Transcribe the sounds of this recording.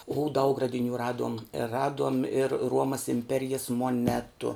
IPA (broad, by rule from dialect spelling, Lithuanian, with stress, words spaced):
ʊ dɐʊk rɐdʲɪˈnʲuː ˈrɑːduɔm ˈrɑːduɔm ɪr ˈruɔmɐs ɪmʲˈpʲæːrʲɪjɛs moːˈnʲæːtʊ